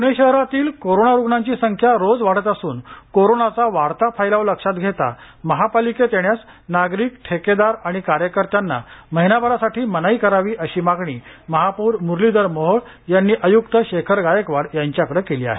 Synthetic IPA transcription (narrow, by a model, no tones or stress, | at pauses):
puɽeɕəɦɾat̪iːlkoɾonaɾuɡɳãɲt͡ɕiːsəŋkʰjaɾod͡zʋaɽət̪əsuːnkoɾonat͡saʋaɽt̪apʰajlaʋləkʂat̪ɡʱet̪a̰ | məɦapaliket̪eɳjas | naɡɾiːkʈʰeked̪aɾaɽ̃ikaɾjəkəɾt̪janːa̰məɦinabəɾasaʈʰiːmənaiːkəɾaʋiːʔəɕiːmaɡɳiːməɦapuːɾmuɾlid̪əɾmɔɦəɽ | janːiːʔəjukt̪əɕekʰəɾɡajəkʋaɽjaɲt͡ɕjakəɽekeliːa̰ɦḛ